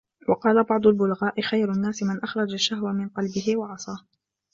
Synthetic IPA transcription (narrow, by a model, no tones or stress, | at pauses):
wɑqɑːlabɑʕd̪ˤʊlbʊlɣaːʔɪxajɾʊnːaːsɪmɪnʔaxɾˤɑd͡ʒaʃːahwamɪnqɑlbɪɦɪwɑʕɑsˤɑː